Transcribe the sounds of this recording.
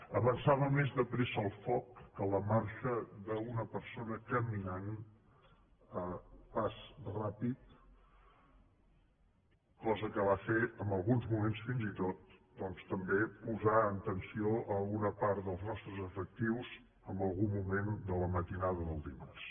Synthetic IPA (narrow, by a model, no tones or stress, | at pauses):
əβənsaβəmezðəpɾezəlˠfɔkːələmaɾʃəðəunəpəɾsonəkəminan | əpasrapit̪̚ | kɔzəkəβ̞afeəmbəlˠɣunzmumensfinzit̪ot̪̚d̪̥ɔnst̪əmbepuzaənt̪ənsioʔəlunəpaɾðəlˠznɔst̪ɾəzəfək̚t̪iwz | əmbəlˠɣumːumend̪ələmət̪inaðəðəlˠd̪imars